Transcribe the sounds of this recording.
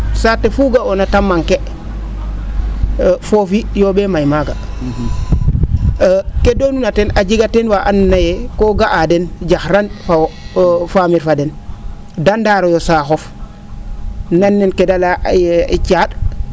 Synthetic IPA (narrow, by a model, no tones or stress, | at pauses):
satefuɡaonatamːaŋke | fofijobemajmaɡa | kedonunatenaɟiɡatenwaʔannajekoɡaʔadenɟaxɾanfa | famiɾfaden | dandaːɾojosaxof | nanːenkedalaḭt͡ʃaɗ